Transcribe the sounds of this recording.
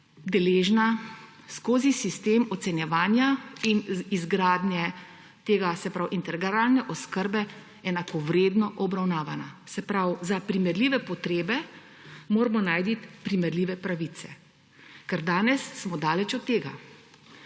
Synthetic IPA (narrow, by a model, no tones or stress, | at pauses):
d̪ɛleːʒna | skoːzisist̪eːmɔt̪sɛnjɛʋaːnjainizɡɾaːd̪njɛ | t̪eːɡasɛpɾawʔint̪ɛɾɡaɾaːlnɛʔɔskəɾbɛ | ɛnakɔʋɾeːd̪nɔʔɔbɾawnaːʋanasɛpɾawzapɾimɛɾliːʋɛpɔt̪ɾeːbɛ | moːɾmɔnaːjd̪it̪pɾimɛɾliːʋɛpɾaʋit̪sɛ | kɛɾd̪aːnɛsːmɔd̪aːlɛt͡ʃɔt̪ːeːɡa̰